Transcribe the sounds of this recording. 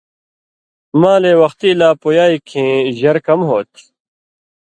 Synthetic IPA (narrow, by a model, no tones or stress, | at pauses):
mãːleːwɐxt̪iːlaːpojaːikʰẽːʑɐɾkɐmɦoːt̪ʰ